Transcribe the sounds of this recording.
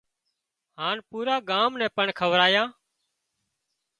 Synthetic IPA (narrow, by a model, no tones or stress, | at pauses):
haːnpuːɾaːɡaːmnɛ̃ːpəɳkʰəʋɾaːjãː